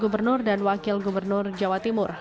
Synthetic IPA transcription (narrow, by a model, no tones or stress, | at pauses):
ɡubərnʊrdanwakɪlɡubərnʊrd͡ʒawat̪imʊr